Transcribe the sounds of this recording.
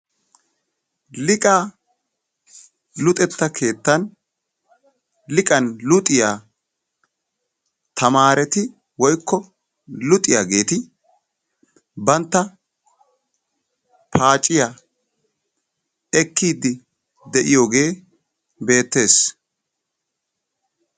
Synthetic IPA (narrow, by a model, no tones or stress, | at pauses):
lɪkʼa | lʊt̪ʼɛt̪ːɐkʰe̞ːt̪ːɐn | lɪkʼɐnlʊt̪ʼɪjaː | t̪ʰɐmaːɾɛt̪ɪ | wɔjkːɔ | lʊt̪ʼːɪjaɡe̞ːt̪ɪ | bɐnt̪ːɐ | pʰaːt͡ʃʼːɪja | ɛkʰːiːd̪ɪ | d̪ɛʔɪjo̞ːɡe̞ː | be̞ːt̪ːe̞ːs